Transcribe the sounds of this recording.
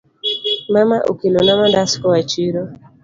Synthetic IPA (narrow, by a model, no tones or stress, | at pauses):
mamaʔṵkinɔnamandaskɔwat͡ʃiɾɔ